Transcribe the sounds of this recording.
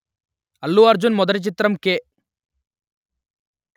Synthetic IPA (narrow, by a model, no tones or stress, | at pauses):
ɐlːuɐɾd͡ʒunmɔd̪ɐʈit͡ʃit̪ɾɐmke